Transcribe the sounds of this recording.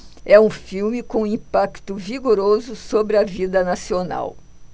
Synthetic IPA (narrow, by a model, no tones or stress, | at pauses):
ɛũfiwmɪkõĩpakt̪ʊviɡoɾozʊsobɾɪɐvid̪ɐnasiona̰w